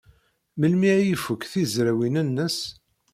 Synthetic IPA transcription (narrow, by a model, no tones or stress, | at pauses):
məlmiʕjifəkːθizɾæwinənːəs